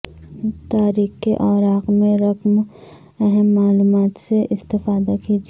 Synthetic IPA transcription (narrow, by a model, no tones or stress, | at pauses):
t̪aːɾiːxkeʔɔːɾaːqmẽɾɐkm | ɛɦɛmːaːluːmaːt̪seʔɪst̪ɪfaːd̪akiːd͡ʒ